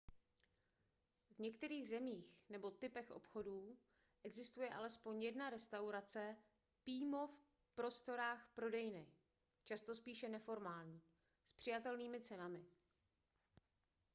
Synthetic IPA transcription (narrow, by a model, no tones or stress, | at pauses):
vɲɛkt̪ɛɾiːɣzɛmiːxnɛbo̞t̪ɪpɛxʔo̰pxo̞duː | ʔɛɡzɪst̪ujɛʔalɛspo̞ɲjɛdnaɾɛst̪awɾat͡sɛ | piːmo̞f | pɾo̞st̪o̞ɾaːxpɾo̞dɛjnɪ | t͡ʃast̪o̞spiːʃɛnɛfo̞ɾmaːlɲiː | spr̥ɪjat̪ɛlniːmɪt͡sɛnamɪ